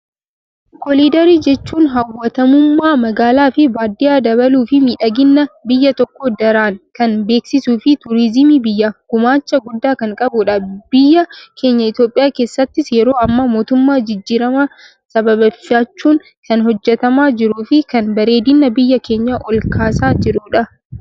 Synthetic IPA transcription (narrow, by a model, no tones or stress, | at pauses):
kɔliːd̪ɐɾiːd͡ʒɛt͡ʃːuːnɦɐwːɐt̪ɐmʊmːaːmɐɡaːlaːfɪbaːd̪ːɪjaːd̪ɐβɐluːfɪmiːᶑɐɡɪnːɐbɪjːɐt̪ɔkːɔd̪ɐɾaːŋkɐnbe̞ːksɪsuːfɪt̪ʊɾɪzɪmiːbɪjːaɡ̥ʊmaːt͡ʃːɐɡʊd̪ːaːkɐŋkʼɐbʊᶑɐb̥ɪjːɐkʰe̞ːɲːɐɪt̪joːpʼɪjaːke̞ːsːɐt̪ːɪsjɛɾo̞ːɐmːamo̞ːt̪ʊmːaːd͡ʒɪd͡ʒːiːɾɐmɐ | sɐbɐbɐfaːt͡ʃːuːŋ | kɐnɦɔd͡ʒːɛt̪ɐmaːd͡ʒɪɾuːfɪkɐnbɐɾe̞ːd̪ɪnːɐbɪjːɐke̞ːɲːɐʔɔlkaːsaːd͡ʒɪɾʊᶑɐ